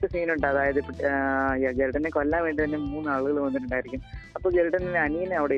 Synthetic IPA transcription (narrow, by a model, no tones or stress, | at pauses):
ɨsiːnuɳɖɐðaːjɐðɨpjad͡ʑelʈɐnːekolːaːmʋeːɳɖit̪ɐnːemuːnːɨaːɭuɣɐɭʋɐnːiʈːuɳɖaːjiɾikʲːumɐpːoːd͡ʑelɖɐninːeɐnijineɐʋiɽe